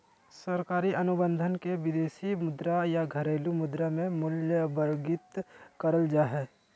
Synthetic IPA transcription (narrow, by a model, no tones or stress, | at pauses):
səɾkaːɾiʔɐnʊbə̃nd̪ʱənkeʋɪd̪eːʃimʊd̪ɾajaɡʱɐɾeːlumʊd̪ɾamẽmʊljəbəɾɡɪt̪kɐɾəld͡ʒaːɦɛː